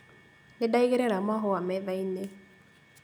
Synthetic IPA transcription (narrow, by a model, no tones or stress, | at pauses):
nedaiɣeɾeɾamɔɦɔwamɛðaine